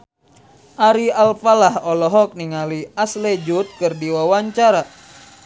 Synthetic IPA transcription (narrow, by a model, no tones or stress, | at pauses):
ʔaɾialfalahɔlɔɦɔk̚niŋaliasled͡ʒut̪̚kɨrdiwawaɲt͡ʃaɾa